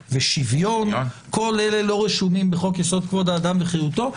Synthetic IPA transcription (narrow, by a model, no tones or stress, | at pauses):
veʃivjo̞nko̞lele̞lo̞ʁeʃumimbeχo̞kjaso̞d̪̚kvod̪aːd̪amveχejut̪o̞